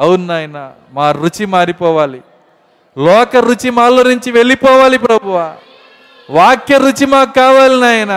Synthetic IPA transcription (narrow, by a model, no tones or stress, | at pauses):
ɐwunnaːjɐnɐ | maːɾut͡ʃimaːɾipɔːʋaːli | lɔːkɐɾut͡ʃimaːloːnuɲt͡ʃiʋelipɔːʋaːlipɾɐbʱuʋa | ʋaːkːeɾut͡ʃimaːkkːaːʋaːlinaːjɐnɐ